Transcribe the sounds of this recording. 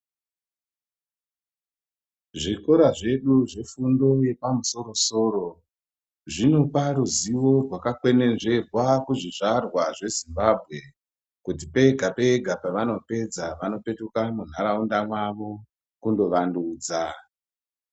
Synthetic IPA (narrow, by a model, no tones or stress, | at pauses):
ʐiko̞ɾaʐe̞ɗuʐe̞fundo̞je̞pamuso̞ɾo̞so̞ːɾo̞ | ʐino̞paɾuziʋo̞rwakakwe̞ne̞nʐe̞rwakuʐiʐarwaʐe̞zimbabʱɣe̞ | kut̬ipe̞ɡʱape̞ɡʱapaʋano̞pe̞d͡zaʋano̞pe̞tukamun̤aɾaundamwaʋo̞ | kundo̞ʋanduːd͡za